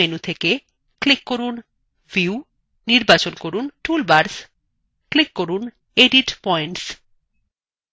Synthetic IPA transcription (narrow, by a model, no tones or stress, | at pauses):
enut̪ʰeke | klikːoɾun | viu | niɾbat͡ɕonkoɾunʈulbaɾs | klikːoɾun | eɖiʈpɔjɳʈs